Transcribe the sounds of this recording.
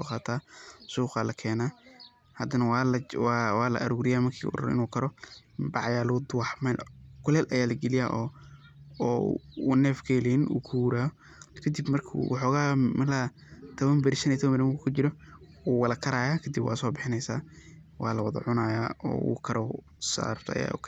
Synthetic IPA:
ɔ̰qɑːt̪ʰaːsuːqaːlɐkʰɛːnaː | hɐd̪ɐnɐwlwwaːlɐ̰ʔɐɾuːɾɪjaːmɐrkʰḭːʊ̰ɾɐ̰ɾ̰ɪ̰nuːkʰɐɾɔbɑʕjaːlʊd̪ʊwɑħmalkʰʊlɛːlʔɐjaːlɐɡɛlɪjaːʔɔː | nɛːfkʰɛːlɛnṵːkʰuɾaːɔ | kʰɐd̪ɪbmɐrkʰːwɑħɔːɣaːmɐla | t̪ʰɐβɐmbɪɾʃɐnit̪ʰɐβɐmbɪɾɐkukʰʊt͡ʃɪɾɔ | uːwɐlɐkʰɐɾaːjaːkʰɐd̪ɪbwɑ̰ːsɔːbɪħɪnɛjsa̰ː | wɑːlɐwɑðɐ̰ʕʊnaːjaːɔ̰ːṵkʰɐɾʔɔ | sa̰ːɾbt̪ʰɐ̰ja̰ːʊ̰kʰ

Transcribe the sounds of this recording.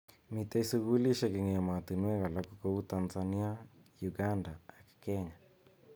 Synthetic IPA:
mitaisuɣuliʃɛkeŋɛɛmatinuɛɣalakukɔutanzaniajuɡandaakkɛɲa

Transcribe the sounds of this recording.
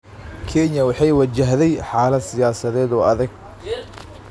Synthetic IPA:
kʰɛnjɐwɑħɑjwɐt͡ʃɐɦðɛjħɑːlɐd̪sɪjaːsɐðɛːd̪ɔːɐðɐɡ

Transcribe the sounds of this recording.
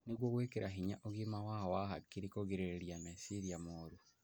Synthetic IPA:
niɣwɔɣwekeɾaɦiɲa̰ʔoɣimawawahakiɾikoɣiɾeɾiamɛsiɾiamoːɾu

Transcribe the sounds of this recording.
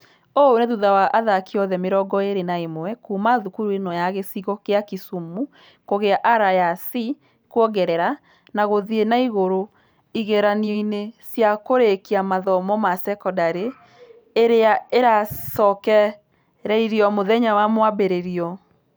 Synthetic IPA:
oneðuðawaʔaðakiɔðɛmeɾɔɡɔeɾenaemoɛkumaðukuɾuenɔjaɣesiɣɔkeakisumu | koɣeaʔaɾajasi | kwɔɡɛɾɛɾa | naɣoðienaiɣoɾo | iɣɛɾanioinesjakoɾekiamaðɔmɔmasɛkɔdaɾeː | ɾeaeɾasɔkɛ | ɾɛiɾiɔmoðɛɲawamwabeɾeɾiɔ

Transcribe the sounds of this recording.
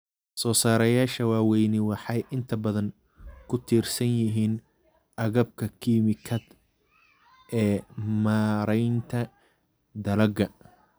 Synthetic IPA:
sɔːsaːɾɐjaːʃɐwaːwɛjnɪwɑħɑjʔɪnt̪ʰɐbɐðɐŋ | kʰʊt̪ʰiːrsɐnjɪɦiːn | ʔɐɣɐb̚kʰɐkʰiːmɪkʰɐd̪ | ʔɛːmaːɾɛjnt̪ʰɐ | d̪ɐlɐɡɐ

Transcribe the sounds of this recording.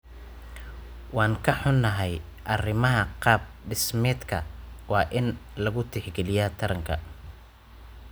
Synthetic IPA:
wɑːŋkʰɐħʊnːɐɦɛj | ʔɐrɪmɐɦɐqɑːb̚ɖɪsmɛːd̪kʰɐwɑːʔɪnlɐɣʊt̪ʰɪħɡɛlɪjaːt̪ʰɐɾɐŋkʰɐ

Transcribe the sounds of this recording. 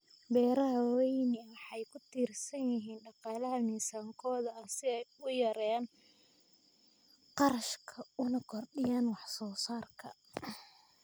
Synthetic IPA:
bɛːɾɐɦɐwɛjnɪwħɑjkʰʊt̪ʰiːrsɐnjɪɦiːnɖɑqɑːlɐɦɐmiːsaːŋkʰɔːðɐɐsɪɛjʊjɐɾɛn | qɑɾɐʃkʰɐʊnɐkʰɔrɗɪjaːnwɑħsɔːsaːrkʰɐ̰

